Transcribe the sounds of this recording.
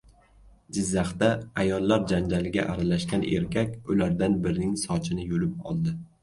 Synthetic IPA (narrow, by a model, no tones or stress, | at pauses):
d͡ʒɪzːaχt̪aajɒlˠːaɾd͡ʒand͡ʒalɪɡʲa̰ʔaɾalaʃkʲanḛɾkʲʰakʲʊlaɾd̪anbɪɾnɪŋsɒt͡ʃʰɪnɪjolɪp̚ɒ̰lˠd̪ɪ